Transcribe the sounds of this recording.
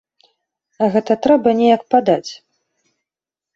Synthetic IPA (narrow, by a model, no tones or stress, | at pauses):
ɐɣɛt̪ɐt̪ɾɛbɐnʲɛjɐk̚pad̪at͡sʲ